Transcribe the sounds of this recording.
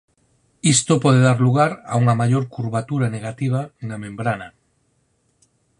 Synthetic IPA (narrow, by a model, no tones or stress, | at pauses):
ist̪opɔðeðaɾluɣ̞aɾauŋamaʎoɾkuɾβat̪uɾaneɣ̞at̪iβ̞aeŋnamẽmbɾana